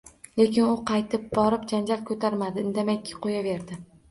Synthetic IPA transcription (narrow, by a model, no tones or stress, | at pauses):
le̞kʲʰɪnʊqʰɑjt̪ʰɪp̚bɒɾɪpd͡ʒand͡ʒalkʰɵt̪ʰaɾmad̪ɪnd̪amakʰʲːɪ̥qʰojave̞ɾd̪ɪ